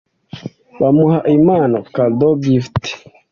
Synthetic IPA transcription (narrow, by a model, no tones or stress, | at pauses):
bamuhaʔimanokald̪obifti̥